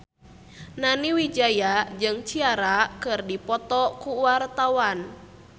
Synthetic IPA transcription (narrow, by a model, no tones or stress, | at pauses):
naniwid͡ʒajad͡ʒɨŋt͡ʃiaɾakɨrdipɔt̪ɔkuwart̪awan